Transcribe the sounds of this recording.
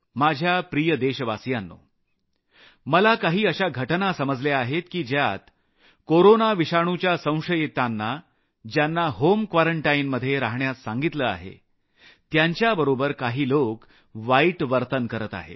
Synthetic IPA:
mad͡ʑʱjapɾijəd̪eɕəʋasjanːo̰ | məlakaɦiːəɕaɡʱəʈnasəməd͡zleaɦet̪kiːd͡ʑjat̪ | koɾonaʋiɕaɳ̃ut͡ɕjasə̃w̃ʂəjet̪anːa | d͡ʑjanːaɦomkʋaɾəɳʈainməd̪ʱːjeɾaɦɳjasaŋɡit̪ləa̰ɦḛ | t̪jaɲt͡ɕjabəɾobəɾkaɦiːlok | ʋaiʈʋəɾt̪ənkəɾət̪a̰ɦḛ

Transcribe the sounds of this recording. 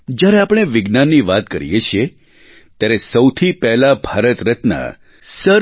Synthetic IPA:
d͡ʒjaɾeapɽ̃eʋɪɡnanːiʋat̪kə̰ɾḭjet͡ʃʰie | t̪jaɾesəwt̪ʰipɛɦlabʱaɾət̪ɾət̪na̰ | sə

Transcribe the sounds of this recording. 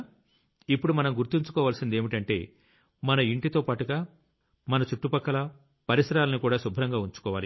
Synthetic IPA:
ipːuɽumɐnɐmɡuɾt̪iɲt͡ʃu̥kɔːʋaːlsind̪e̞ːmiʈɐɳʈe̞̰ː | mɐnɐiɳʈit̪o̞ːpaːʈuɡaː | mɐnɐt͡ʃuʈːupɐkːɐlɐ | pɐɾisɐɾaːlɐnikuːɽaːsubʱɾɐŋɡaːuɲt͡ʃu̥kɔːʋaːli

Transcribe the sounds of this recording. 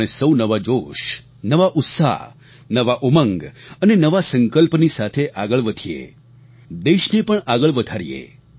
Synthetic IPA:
nesəwnəʋad͡ʒoʃ | nəʋaʔʊt̪sa̰ | nəʋaʔuməŋɡənenəʋasəŋkəlpnisat̪ʰeʔaɡəɭʋəd̪ʱiḛ | d̪eʃnepəɳaɡəɭʋəd̪ʱaɾijḛ

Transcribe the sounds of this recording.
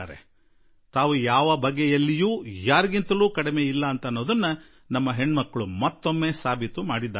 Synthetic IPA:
aːɾḛ | t̪aːʋujaːʋɐbɐɡːejɐlːijuːjaːɾiɡint̪ɐluːkɐɽime̞ːilːɐːnt̪ɐnːoːd̪ɐnːɐ | nɐmːɐɦe̞ɳːmɐkːɐɭumɐt̪ːo̞mːe̞ːsaːbʱit̪umaːɽid̪ːaː

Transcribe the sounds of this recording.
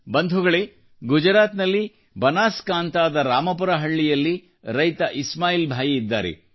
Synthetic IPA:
bɐnd̪ʱuɡɐɭe̞ | ɡud͡ʒɾaːt̪nɐlːi | bɐnaːskaːnt̪aːd̪ɐɾaːmɐp̬uɾɐɦɐɭːijɐlːi | ɾɐjt̪ɐʔismaːjiːlbʱaːjiid̪ːaːɾḛ

